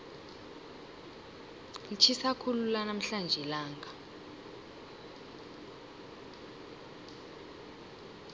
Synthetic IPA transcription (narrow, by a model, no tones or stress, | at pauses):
lit͡ʃʰisakʰululanam̩ɬand͡ʒʱɛlaːŋɡʱa